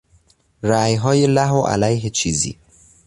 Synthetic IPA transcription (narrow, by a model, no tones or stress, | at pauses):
ɾajɦɒːjelaɦwʔa̰lajɦet͡ʃʰizḭ